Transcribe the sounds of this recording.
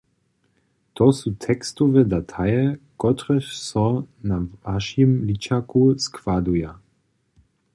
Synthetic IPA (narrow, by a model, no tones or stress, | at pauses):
t̪ɔsut̪ʰɛkstɔvɛd̪atʰajɛkɔtʁɛʃsɔnavaʃjimlit͡ɕakuskvaduja